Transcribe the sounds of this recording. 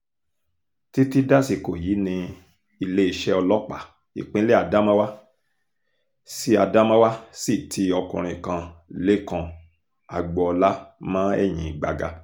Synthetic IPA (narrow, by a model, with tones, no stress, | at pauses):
ti˦ti˦da˦si˧˨ko˨ji˨˦nĩ˧ | i˧le˦i˧ʃɛ˦ɔ˧lɔ˦k͡pa˨ | ḭ˨k͡pĩ˨˦le˦a˧˨da˦mã˦wa˦ | si˦a˧da˦mã˦wa˦si˦˨tʰi˧ɔ˧kṵ̃˨ɾ̃ĩ˧˨kã˧le˦kã˧ | a˨ɡ͡bɔ˨ɔ˧la˦mã˦ɛ̰˦˨j̃ĩ˨ɡ͡ba˧ɡa̰˧